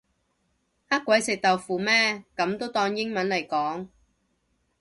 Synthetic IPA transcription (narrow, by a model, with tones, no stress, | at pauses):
ha˥kʷːwɐ˨˥jsɪ˨k̚t̪ɐ˨wfuː˨mɛː˥kɐ˨˥mt̪o˥wt̪ɔː˧ŋjɪ˥ŋmɐ˨˥nlɐ˨˩jkɔː˨˥ŋ